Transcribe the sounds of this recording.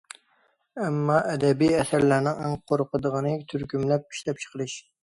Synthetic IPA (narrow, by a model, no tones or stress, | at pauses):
ɛmːɑʔɛd̪ɛbijɛsæɾlæɾnɪŋæŋqʰoɾqəd̪əʁənɨt̪ʰyɾkʲymlɛp̚i̥ʃlɛp̚t͡ʃʰə̥qəɾɨʃ